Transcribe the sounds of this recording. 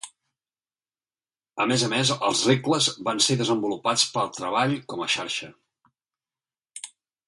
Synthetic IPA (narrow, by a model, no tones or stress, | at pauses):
əmezəmezəlˠzrekləzβanseðəzəmbulupat͡spəlˠt̪ɾəβ̞aʎkɔməʃaɾʃə